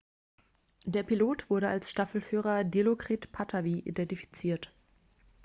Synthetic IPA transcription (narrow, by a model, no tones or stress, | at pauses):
d̥eːɐpʰiloːtv̥ʊɐɾəalsʃtafl̩fyːʁ̞ɐdelokʁ̥itpʰatʰaviʔḭdɛntifi̥t͡siːɐt